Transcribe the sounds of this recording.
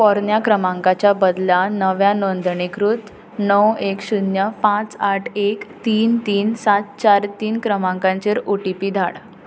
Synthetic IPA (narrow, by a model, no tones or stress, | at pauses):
pɔɾnjakɾəmãŋkat͡ɕjabəd̪lanəʋjanond̪ʱɳikɾut̪ | nəwekɕunjəpãt͡saʈʰekt̪iːnt̪iːnsat̪̚t͡ɕaɾt̪iːnkɾəmãŋkãɲt͡ɕeɾuʈipiːd̪ʱa̰ɽ